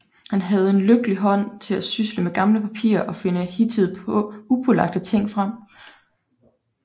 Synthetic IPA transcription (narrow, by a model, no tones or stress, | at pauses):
hænɦæð̞̩ˠe̝nløɡ̥əliɦɒ̽n̰t͡sʰe̝læsysləmeɡ̥ɑ̈mləpʰæpʰḭːɐʔɒ̽fe̝nəhit͡sʰið̩ˠupʰɔlɑ̈ɡ̥̚d̥ət͡sʰe̝ŋ̰fʁɑm̰